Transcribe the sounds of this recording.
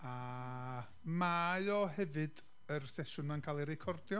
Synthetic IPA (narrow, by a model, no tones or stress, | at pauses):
a | maɨɔɦɛvɨd̥ | ərsɛʃʊnankʰaːlˠiɾɪkʰɔrdjɔ